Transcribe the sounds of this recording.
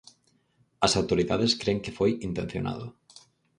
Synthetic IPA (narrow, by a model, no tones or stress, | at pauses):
ɐsawt̪oɾiðaðeskɾeŋkefojint̪en̟θjo̰na̰ð̞ʊ̰